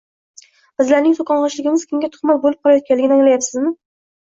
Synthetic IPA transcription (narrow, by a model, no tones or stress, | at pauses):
b̥ɪzlaɾnɪŋsʰokɑnʁɑʃlɪɡʲɪmɪz̥kʲʰɪmɡʲat̪ʰʊ̥χmat̪̚bolɪp̚qʰɒlˠajɒt̪̚ʲanlɪɡʲɪnɪaŋlajapsɪzmɪ